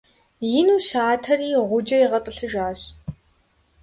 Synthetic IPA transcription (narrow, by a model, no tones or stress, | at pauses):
jɪnuːʃaːtʰɐriːʁʷʊd͡ʒɐjiʁɐtʼəɬɨʒaːɕ